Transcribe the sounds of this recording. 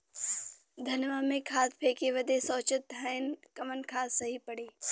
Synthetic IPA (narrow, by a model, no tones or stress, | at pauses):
d̪ʱɐnʋamẽkʰaːspʰeːkeʋɐd̪esɔːt͡ʃɪt̪ɦəɪnkɐmənkʰaːsːɐɦipɐɽeː